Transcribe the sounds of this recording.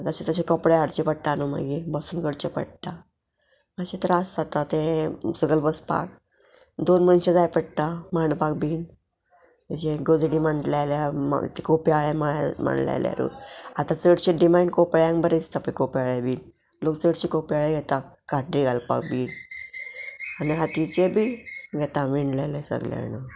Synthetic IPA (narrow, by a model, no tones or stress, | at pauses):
t̪aɕat̪əɕẽkɔpɽeaɽt͡ɕepəɽt̪anomə̰ɡibəsunɡəɽt͡ɕepə̰ɽt̪a | maɕet̪əɾasːat̪at̪esəɡəlbəspa̰k | d̪onmənɕẽd͡zajpəɽ̚t̪amanpak̚biːn | məd͡ʑeɡod̪ɽiməɳʈlalaa̰t̪ekopiaɭemaɭma̰ɳla̰lj̰ɾṵat̪ãt͡səɽɕeɖimaɳɖkopɭjãŋkbəɾest̪apəkopiaɭebiːn | lokt͡səɽɕikopiaɭeɡʱɛt̪akaʈɾiɡalpa̰k̚biːn | aniɦat̪it͡ɕebiɡʱɛt̪amiɳlelesə̰ɡla̰nə